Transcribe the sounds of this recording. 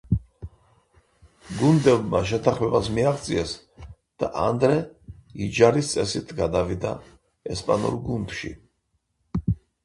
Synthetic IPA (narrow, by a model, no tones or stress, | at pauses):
ɡund̪ɛbmaʃ̬ɛt̪ʰaχmɛbasmiaʁt̪sʼiɛs | d̪̥a̰ʔand̪ɾɛid͡ʒaɾist̪sʼɛsit̪ʰɡad̪avid̪a̰ | ɛspʼa̰nṵɾɡund̪ʃḭ